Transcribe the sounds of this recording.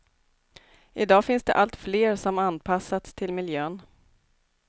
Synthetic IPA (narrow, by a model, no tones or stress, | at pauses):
ʔɪd̪ɑːfɪnsd̪ɛ̰ʔalt̪fleːɾsɔmanpʰasːat̪st̪ʰɪlmɪljøːn